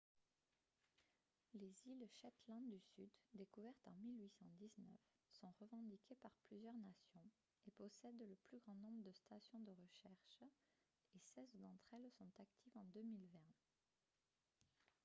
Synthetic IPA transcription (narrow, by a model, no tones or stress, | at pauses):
lezilʃat̪lɑ̃d̪ːysyd̪ːekuvɛʁt̪ɑ̰̃milɥisɑ̃d̪iznœ̰f | sɔ̃ʁəvɑ̃d̪ikʲʰepaʁplyzjœʁnasjɔ̃ | epɔsɛd̪ləplyɡʁɑ̃nɔ̃bʁəd̪əst̪asjɔ̃d̪əʁəʃɛʁʃ | esɛzd̪ɑ̃t̪χɛlsɔ̃t̪akt̪ʰivɑ̃d̪ømilvɛ̃